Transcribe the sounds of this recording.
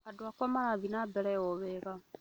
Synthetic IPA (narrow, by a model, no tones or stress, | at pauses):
adwakwamaɾaβinabɛɾɛoβeɣa